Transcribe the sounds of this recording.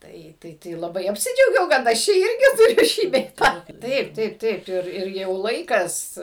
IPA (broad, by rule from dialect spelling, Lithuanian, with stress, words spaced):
ˈtɐɪ ˈtɐɪ tɐɪ lˠɐˈbɐɪ ɐpʲsʲɪˈd͡ʒʲɛʊɡʲɛʊ kɐt ˈɐʃ ˈt͡ʃʲɛ ˈɪrʲɡʲɪ tʊˈrʲʊ ˈʃʲiː bʲɛɪ ˈtɑː ˈtɐɪp ˈtɐɪp ˈtɐɪp ˈɪr ɪr ˈjɛʊ ˈlˠɐɪkɐs